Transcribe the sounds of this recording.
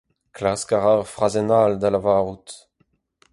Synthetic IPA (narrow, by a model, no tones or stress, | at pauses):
klaskaʁaʁfʁazɛnald̪alavaːʁut̪